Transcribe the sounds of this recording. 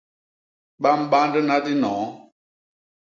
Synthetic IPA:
ɓa˦m̩˦ɓa˦ndə˦na˦di˦nɔ̃ː˨˦

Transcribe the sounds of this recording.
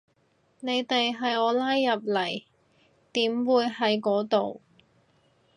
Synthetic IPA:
ne˨˧jt̪e˨jɦɐ˨jɔː˨˧laː˥jːɐ˨p̚lɐ˨˩j | t̪iː˨˥mwuː˨˧jhɐ˨˥jkɔː˨˥t̪o˨w

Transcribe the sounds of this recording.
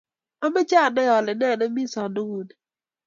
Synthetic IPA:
ɔ˦me˦t͡ʃa˦˨nɔ˦jɔ˨lɛ˨nɛ˦˨na˦mi˦sɔ˨do˦ŋu˨n˨

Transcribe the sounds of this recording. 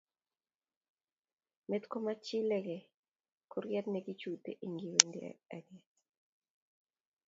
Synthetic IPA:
me˦t̪ko˦ma˦t͡ʃɪ˦lɛ˦ɡɛ˨ | kʰo˦ɾɡjɛ˦t̪nɛɡi˦t͡ʃu˨tḛ˨ʔi˨ŋɡi˨we˨ndḛa̰˨ɡjɛ˨

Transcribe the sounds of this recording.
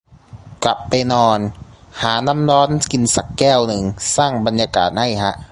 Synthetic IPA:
kla˨˩pːa˧jnɔː˧nhaː˩˦na˦˥mɾɔː˦˥nki˧nsa˨˩kːɛː˥˩wnɯ˨˩ŋsaː˥˩ŋba˧njaː˧ka̰ː˨˩t̪̚ha˥˩jkʰa˦˥ʔ

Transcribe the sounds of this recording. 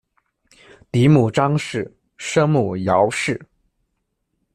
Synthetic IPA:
t̪i˧˥mu˨˩ʈ͡ʂɑ˥ŋʂɻ̩˥˩ | ʂɤ˥ŋmu˨˩jɑ˧˥ʊʂɻ̩˥˩

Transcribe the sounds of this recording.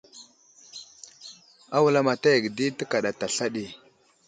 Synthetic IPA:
a˦wu˨la˦ma˨ta˦jə˨ɡdi˦tə˦ka˨ɗa˨ta˨ɬa˦ɗi˨

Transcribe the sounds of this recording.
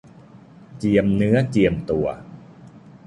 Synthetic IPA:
t͡ɕi˨˩əmnɯ˦˥ɐt͡ɕi˨˩əmt̪u˨˩ɐ

